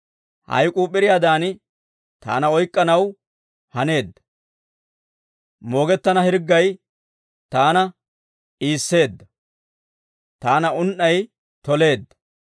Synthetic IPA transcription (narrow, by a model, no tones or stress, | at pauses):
hɐ̰jkʼuːpʼːɪɾɪjaːd̪aːn | t̪a̰ːnɐɔjkʼːɐnɐw | hɐne̞ːd̪ːɐ̥ | mo̞ːɡɛt̪ːɐnɐhɪɾɡːɐj | t̪aːnɐ | iːsːe̞ːd̪ːɐ | t̪aːnɐʊnʔːɐj | t̪ɔle̞ːd̪ːɐ̥